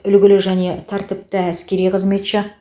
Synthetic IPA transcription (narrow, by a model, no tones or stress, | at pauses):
ʏlɡʲɪlɪʒæne̞t̪ʰɑɾt̪ɪp̚t̪ɪæskʲe̞ɾijqʰəzme̞t̪ʃɪ